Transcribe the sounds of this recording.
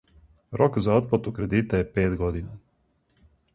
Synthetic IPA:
ɾʔokzao̞t̪̚plat̪ukɾe̞d̪it̪ajepeːt̪ɡo̞d̪ina

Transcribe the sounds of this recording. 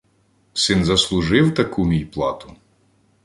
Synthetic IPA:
sɪnzɐslˠʊʒɪwt̪ɐkumʲijplˠɑt̪ʊ̥

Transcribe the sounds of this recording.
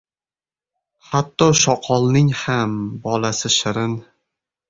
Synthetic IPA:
hat̪ːɒʃɒqʰɒlˠnɪŋhambɒlasɪʃɪɾɪn

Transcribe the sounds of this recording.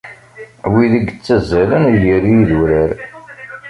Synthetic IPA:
wiðəɡət͡sːəzːælənjəɾjiðuɾəɾ

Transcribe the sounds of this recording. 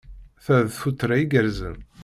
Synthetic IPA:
θæðθfut̪ːɾaiɡəɾzə̰n

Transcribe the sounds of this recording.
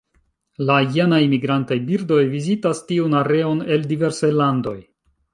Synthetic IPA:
lajanaimiɡɾantajbiɾdo̞jvizitastiunaɾe̞one̞ldive̞ɾsajlando̞j

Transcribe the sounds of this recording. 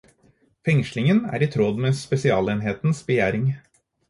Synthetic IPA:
fɛŋʃlɪŋənæ̰ːɾiːt̪ʰɾɔd̪mespɛsɪɑːleːnɦeːt̪n̩sbəjæːɾɪŋ

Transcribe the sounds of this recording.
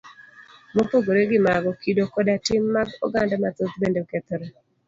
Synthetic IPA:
mopoɡoɾeɡɪmaɡɔkidokɔdatɪmːaɡɔ̰ɡandamat̪ot̪bendoket̪oɾe

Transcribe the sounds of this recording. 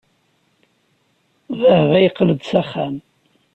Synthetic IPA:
vəhʁæjqːləd̪sæχæm

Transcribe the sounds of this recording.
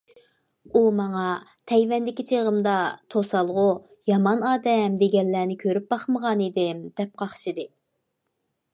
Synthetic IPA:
umɑŋɑt̪ʰɛjvɛnd̪ɪkʲit͡ʃʰeʁəmd̪ɑt̪ʰosɑlˠʁʊ | jɑmɑnɑːd̪ɛmd̪eɡʲɛlːæːnɪkʲʰøɾyp̚bɑχməʁɑnid̪ɪmd̪̥ɛp̚qʰɑχʃɨd̪ɨ

